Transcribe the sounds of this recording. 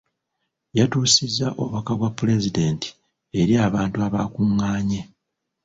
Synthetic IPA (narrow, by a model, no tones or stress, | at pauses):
jatuːsizːaʔo̞̰βakaβwapːule̞zide̞ːnti̥ | e̞ɾiaːβaːntuaβa̰ːkuŋːaːɲe